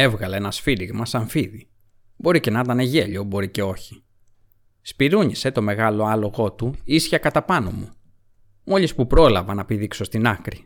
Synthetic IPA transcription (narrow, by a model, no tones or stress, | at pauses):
e̞vɣɐleenɐsfiliɣmɐsɐɱfiði | bo̞ɾice̞nɐt̪ɐneʝe̞ʎo̞bo̞ɾice̞o̞çi̥ | spiɾuɲise̞t̪o̞me̞ɣɐlo̞ɐlo̞ɣo̞t̪uisçɐkɐt̪ɐpɐno̞̰mu | mo̞ʎispupɾo̞lɐvɐnɐpiðikso̞st̪inɐkɾi